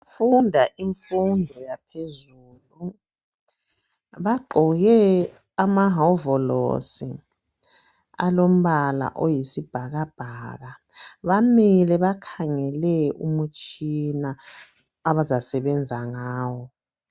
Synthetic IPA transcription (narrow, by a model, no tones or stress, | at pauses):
fundʱaʔiɱfundʱɔjapʰezuːlu | βaɡ͡ǃʱɔɣɛ | amaɦaɔvɔlo̰sḭ | a̰lom̩βala̰ʔojisib̥ʱaɣab̥ʱaɣa | βamilɛβakʰaŋɛlɛṵmut͡ʃʰʼinaː | βazasɛβɛnd͡zʱaŋaːwɔ